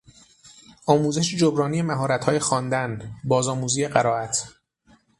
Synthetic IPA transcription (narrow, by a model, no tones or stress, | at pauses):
ʔɒːmuːze̞ʃed͡ʒobɾɒːnije̞mæɦɒːɾæt̪ʰhɒːje̞xɒːnd̪ænbɒːzɒːmuːziːje̞ɢæɾɒːæt̪ʰ